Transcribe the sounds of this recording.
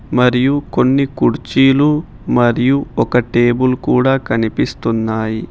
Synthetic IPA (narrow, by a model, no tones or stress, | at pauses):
mɐɾijuko̞nːikuɾt͡ʃiːlu | mɐɾijuɔkɐʈe̞ːbulkuːɽaːkɐnipist̪unːaːji